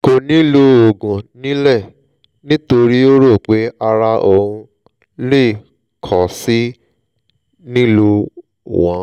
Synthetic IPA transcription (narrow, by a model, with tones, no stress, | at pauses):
ko˧nĩ˦lo˧o˨ɡũ˨nĩ˨˦lɛ˦˨ | nĩ˦to˧ɾi˦o˦ɾo˦˨k͡pe˨˦a˧ɾa˧ʔo˧˨ũ˧ | le˦˨ | kʰɔ˨si˦ | nĩ˦lo˧ | wɔ̃˨˦